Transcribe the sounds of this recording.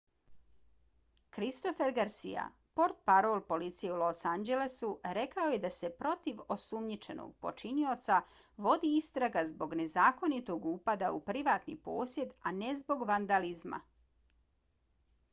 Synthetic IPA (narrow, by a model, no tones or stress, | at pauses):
kɾist̪o̞feɾɡaɾsḭja̰ | po̞ɾt̪̚paɾoːlˠpo̞lit̪sijeulosand͡ʒe̞lesuɾe̞kaoje̞d̪ase̞pɾo̞t̪iʋo̞sumɲit͡ʃe̞no̰ɡ̚po̞̰t͡ʃinio̞t̪sa | ʋo̞d̪iist̪ɾaɡazbo̞ɡne̞zaːko̞nit̪o̞ɡuːpad̪aupɾiʋaːt̪nḭpo̞ːsje̞d̪ane̞zbo̞ɡʋand̪alizma̰